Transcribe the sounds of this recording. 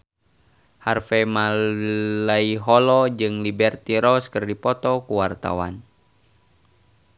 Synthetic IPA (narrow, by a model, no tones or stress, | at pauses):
harfɛma | laiɦɔlɔd͡ʒɨŋlibɛrt̪iɾɔskərdipɔt̪ɔkuwart̪a̰wa̰n